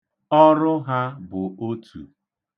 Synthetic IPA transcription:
ɔ˦ɾʊ˦ɦa˦bʊ˨o˦tʰṵ˨

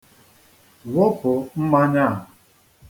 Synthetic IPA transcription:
wo˦pʊ˨m̩˦ma˦ɲa˦˨ɦʊ˨

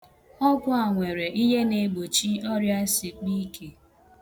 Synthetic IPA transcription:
ɔ˦ɡʷʊ˦a˨ŋʷe˨ɾe˨ʔi˦ɦe˦ne˨ɡ͡bo˨t͡ʃi˦ɔ˦ɾja˦si˨k͡pi˦kʰe˨

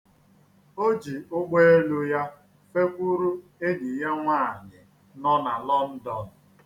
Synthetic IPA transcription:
o˦d͡ʒi˨ʊ˦ɡ͡be˦e˦lu˦ja˦ | fe˦kʷu˦ɾu˦e˦di˨je˦ŋʷaː˦˨ɲɪ˨ | nɔ˦na˨lɔ˦n̩˦dɔ˨n̩˨

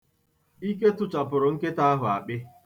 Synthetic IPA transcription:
i˦ke˦tʊ˦t͡ʃa˨pʊ˨ɾʊ˨ŋ̩˦ke˦ta˦a˦ɦʊ˨a˨k͡pɪ˦

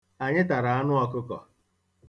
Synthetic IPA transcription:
a˨ɲɪ˦ta˨ɾa˨a˦nʊ˦ɔ˦kʊ˦kɔ̰˨

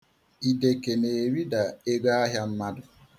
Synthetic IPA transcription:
i˨de˨ke˨ne˨ɾi˦da˨e˦ɡa˦a˦ɦja˦m̩˦ma˦dʊ˨

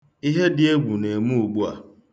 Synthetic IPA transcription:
i˦ɦe˦dɪ˦e˦ɡ͡bʷu˨ne˨mu˦u˨ɡ͡bu˦a̰˨

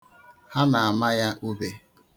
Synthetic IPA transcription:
ha˦na˨a˨ma˦ja˦ʔu˦be˦

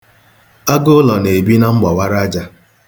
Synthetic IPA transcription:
a˦ɡo˦lɔ˨ne˨bi˦na˦ŋ͡m̩˦ɡ͡bɔ˨wa˦ɾa˦d͡ʒa˦

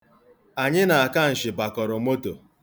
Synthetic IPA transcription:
a˨ɲɪ˦na˨a˨ka˦n̩˨ʃɪ˨ba˨kɔ˨ɾɔ˨mo˦to˨

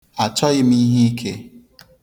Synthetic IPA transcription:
a˨t͡ʃɔ˦ɣɪ˦m̩˦i˦ɦi˦i˦kʰe˦

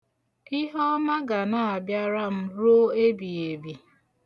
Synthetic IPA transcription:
ɪ˦ɦɔ˦ma˦ɡa˨na˦˨a˨bja˦ɾa˦m̩˦ɾo˦e˦bi˨e˨bi˨

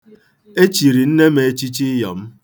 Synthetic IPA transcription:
e˦t͡ʃi˨ɾi˨n̩˦ne˦me˨e˦t͡ʃi˦t͡ʃi˦jɔ̰˨m̩˦

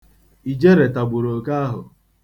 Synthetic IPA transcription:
i˨d͡ʒe˦ɾe˨ta˨ɡ͡bʊ˨ɾo˨ka˦a˦ɦʊ̰˨

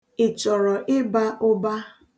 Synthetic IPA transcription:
ɪ˨t͡ʃɔ˨ɾɔ˨ʔɪ˦ba˦ʔʊ˦ba˦

